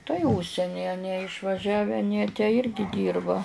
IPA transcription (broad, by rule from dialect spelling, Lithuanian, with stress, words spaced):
tɐɪ ˈʊʃʲsʲɛnʲɪ ɐˈnʲiɛ ɪʃʋɐˈʒʲæːʋʲɛ ɐˈnʲiɛ tʲæː ˈɪrʲɡʲɪ ˈdʲiːrbɐ